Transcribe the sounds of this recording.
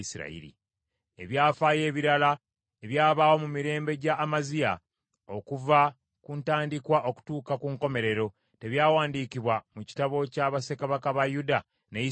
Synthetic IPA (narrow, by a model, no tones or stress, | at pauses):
isiɾa̰ḭɾḭ | e̞βjaːfaje̞ːβiɾala | e̞βjaːβaːwo̞mumiɾe̞ːmbe̞ɟaʔːmazija | o̞kuva | kuntaːndikwaʔo̞ku̥tuːkakuŋko̞me̞ɾe̞ɾo̞ | te̞βjaːwaːndiːkiβwamuci̥taβo̞caβase̞kaβakaβajuda | nei